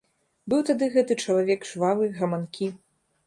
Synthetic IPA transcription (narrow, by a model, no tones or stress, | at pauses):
bɨwt̪ad̪ɨɣɛt̪ɨt͡ʂɐlˠavʲɛkʐvavɨɣɐmankʲʰi